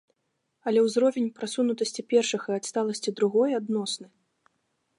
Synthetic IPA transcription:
ɐlʲɛwzɾɔvʲenʲpɾasunut̪ɐsʲt͡sʲipʲɛrʂɨxɨat̪st̪alˠɐsʲt͡sʲid̪ɾuɣɔjad̪nɔsnɨ

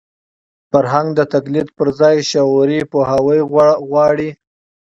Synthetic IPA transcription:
faɾɦaŋɡd̪ət̪aklid̪̚pəɾzɑjʃaɾipohawəjɣwɑɽi

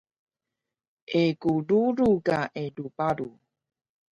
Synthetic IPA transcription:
ʔekuɾuɾuɡaʔedupaɾu

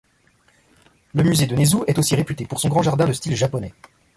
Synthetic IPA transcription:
ləmyzed̪ənezuʔɛt̪osiʁepyt̪epuʁsɔ̃ɡʁɑ̃ʒaʁd̪ɛ̃d̪əst̪ilʒapɔnɛ

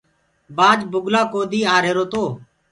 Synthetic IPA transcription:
baːd͡ʒbʊɡlaːkoːd̪iːaːɾeːɾoːt̪oː

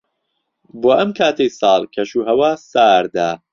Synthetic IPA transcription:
boːʔɐmkʰaːt̪ʰɐjsɑːlˠkʰɐʃuːɦɐwaːsaːɾd̪aː

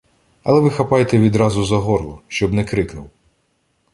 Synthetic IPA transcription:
ɐlˠɛʋɪxɐpɑjet̪ɛʋʲid̪ɾɑzʊzɐɦɔrlˠɔʃt͡ʃɔbnɛkɾɪknʊw

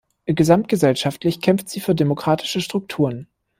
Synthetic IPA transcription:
ɡəzamt̚ɡ̥əzɛlʃaftlɪçkʰɛmftz̥iːfyːɐdemokʁ̥aːtʰɪ̥ʃəʃtʁ̥ʊk̚tʰuːʁən

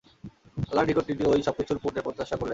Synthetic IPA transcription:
laɖikoʈʈiʈiojʃɔb̚kit͡ɕʰuɾpuɾʈeɾpɾot̪ːaʃakoɾle

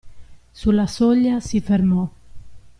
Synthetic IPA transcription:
sulːasɔʎːasifermɔ

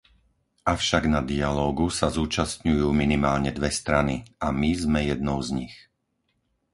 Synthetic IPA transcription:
ʔafʃaɡnad̪ialɔːɡusazuːt͡ʃast̪ɲujuːminimaːlɲɛd̪ʋɛst̪ɾaniamizmɛjɛd̪nɔʊzɲix

